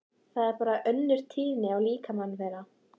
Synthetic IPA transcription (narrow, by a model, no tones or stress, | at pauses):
θaðɛɾpaːɾaʔœnːʏɾ̥t̪ʰiːðnɪawliːkamanːvɛːɾa